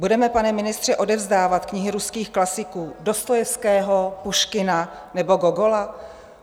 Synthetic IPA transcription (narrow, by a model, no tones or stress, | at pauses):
budɛmɛpanɛmɪnɪst̪r̥ɛʔo̞dɛvzdaːvat̪kɲɪɦɪɾuskiːxklasɪkuːdo̞st̪ojɛfskɛːɦopuʃkɪna | nɛbo̞ɡoɡola